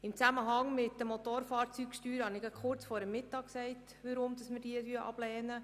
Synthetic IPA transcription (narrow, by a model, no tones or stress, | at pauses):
ɪmt͡sæməɦɑŋmɪtdəmot̪oːɾfɑːɾt͡syːkʃtyːɾhɑnɪɡɑ̥χʊrt͡sfoːɾəmːɪtːɑːk̚ksɛɪt | ʋəɾʊmd̥ɑsmɪrd̥iːətyəʔɑ̰b̥lɛːnə